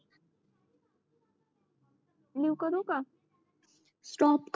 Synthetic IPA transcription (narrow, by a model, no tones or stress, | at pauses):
liwkəɾoka | sʈɔːpk